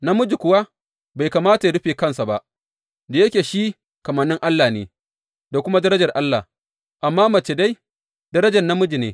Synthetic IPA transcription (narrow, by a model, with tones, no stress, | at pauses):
na˦mʊ˦d͡ʒi˨kʷʊ˨˦wa˦ | ba˨jkaː˨maː˦ta˨ja˨ɽʊ˦ɸeː˨kɐ˦˨nsa˨ba˦ʔ | da˨jɐ˦kʲeː˨ʃiː˦ | kɐ˨mɐ˨nːɪ˦ŋʔa˦lːaː˨neː˨ | da˨kʷʊ˦ma˦dɐ˦ɾɐ˦d͡ʒɐ˨rʔa˦lːa̰˨h | ʔa˨mːaː˦mɐ˨t͡ʃe˨da˦j | d̥ɐ˦ɾɐ˦d͡ʒɐ˨rna˦mʊ˦d͡ʒi˨nḛː˦